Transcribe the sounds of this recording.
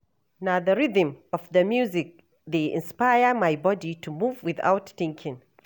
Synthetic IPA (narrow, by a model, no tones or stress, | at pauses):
naðəɹiðə̃mɔfðɐmjuzɪk̚ | ðeʔɪ̰̃nspajəmajbɔditumuvwɪða̰wtθɪ̃ŋkʰɪ̃ŋ